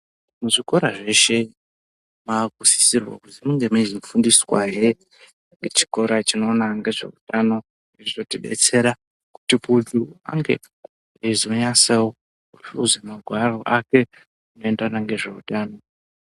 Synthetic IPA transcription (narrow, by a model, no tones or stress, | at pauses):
muʐiko̞ɾaʐe̞ʃe̞ | maɡʱusi̥sirwa̰kud͡zimuŋɡe̞mezimfundiswa̰ɦe | ŋɡe̞t͡ʃi̥ko̞ɾat͡ʃino̞ːnaŋɡe̞ʐe̞̰utʼano̞ | eiʐotiɓe̞̰t͡se̞ɾa | ku̥tipudua̰ŋɡe̞̰ | ezoɲasewo | uṵzemaɡʱwaro̞ʔake̞ | ino̞endanaŋɡe̞ʐe̞utaːno̞